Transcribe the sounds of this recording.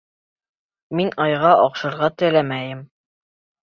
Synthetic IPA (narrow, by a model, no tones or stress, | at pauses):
minɑjʁɑʔɑqʃɤ̆ɾʁɑt̪ɘ̆læmæjɘm